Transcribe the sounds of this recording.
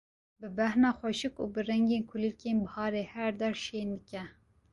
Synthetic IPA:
bɨbæhnɑːxʷɛʃɨkṵːbɨrɛŋɡeːnkʰʊlikeːnbɨhɑːɾeːhɛɾd̪ɛɾʃeːnd̪ɨkɛ

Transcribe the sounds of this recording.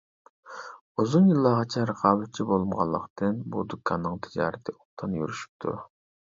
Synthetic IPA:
uzunjilˠːɑʁɑt͡ʃʰɛɾəqʰɑːbɪt̪̚t͡ʃʰibolˠumʁɑ̰lˠːəqt̪ɨnbṵd̪ukʰːɑnːɨŋt̪ʰɪd͡ʒɑ̰ːɾɪt̪ʰɪʔoq̚t̪ʰɑnjy̰ɾyʃy̥p̚t̪ʰṵ

